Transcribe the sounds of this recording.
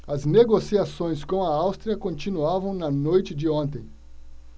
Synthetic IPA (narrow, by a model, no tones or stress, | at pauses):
ɐzneɡosiasõj̃skõw̃ɐawst̪ɾiɐkõnt͡ʃinuavɐ̃w̃nɐnojt͡ʃɪd͡ʒɪõnt̪ẽj̃